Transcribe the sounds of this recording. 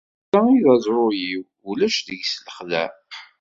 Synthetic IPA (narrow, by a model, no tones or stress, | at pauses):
æiðæzˤɾˤʊjiw | ulæʃðəʝsləχlæ̰